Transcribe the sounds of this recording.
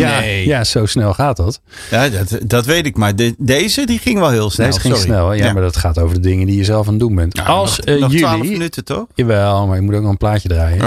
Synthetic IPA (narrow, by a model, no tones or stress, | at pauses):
jajasowsnɛlˠχaːt̚dɔt | jatdɔtʋejtɪkmaddejzədiχɪŋʋɛlˠɦɪəlˠsnɛslɪŋsnɛlˠjamaɹdɔtχaːtowvəɹdədɪŋəndijəzɛlˠfaːndunbɛntɑlˠsjyalilnytətɔjaʋɛlˠmaɹɪk̚mutoːkɔlˠəmplaːcədraːjə